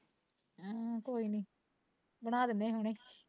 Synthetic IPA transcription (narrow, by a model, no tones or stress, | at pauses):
aːkoːiːniː | bəɽ̃aːd̪ɪneːɦʊɽ̃eː